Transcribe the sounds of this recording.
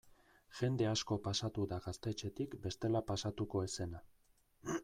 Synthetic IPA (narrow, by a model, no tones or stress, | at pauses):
ʝe̞nd̪e̞asko̞pasat̪uðaɣast̪e̞t͡ʃe̞t̪ikbe̞st̪e̞lapasat̪uko̞ese̞na